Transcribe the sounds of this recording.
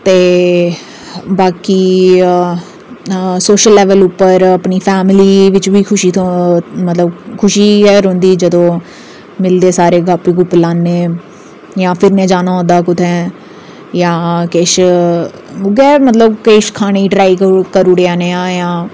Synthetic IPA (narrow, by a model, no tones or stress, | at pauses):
t̪eː | baːkiː | soːʃəlːɛːʋəlʊpːəɾəpniːpʰɛːmɪliːʋɪt͡ʃʋiːkʰʊʃiːt̪ʰõmət̪ləbkʰʊʃiːɛːɾɦʊ̃nd̪iːd͡ʒəd̪õː | mɪld̪eːsaːɾeːɡaːpːeːkʊpːlaːnːeː | jãːpʰɪɾnẽːd͡ʒaːnaːɦʊ̃nd̪aːkʊt̪ʰɛ̃ː | jãːkeːʃ | ɡɛːmət̪ləbkeːʃkʰaːñeːiːʈɾaːikkəɾʊɽeaːneːãːjãː